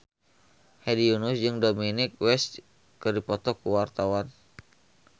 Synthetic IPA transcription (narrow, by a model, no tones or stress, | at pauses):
hɛdijunʊsd͡ʒɨŋdominɪk̚wɛst̪̚ | kɨrdipɔt̪ɔkuwart̪awan